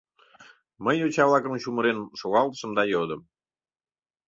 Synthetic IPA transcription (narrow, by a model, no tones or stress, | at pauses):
məjot͡ɕɑβlɑkəmt͡ɕuməɾenʃoɣɑlt̪ə̥ʃəmd̪ɑjod̪əm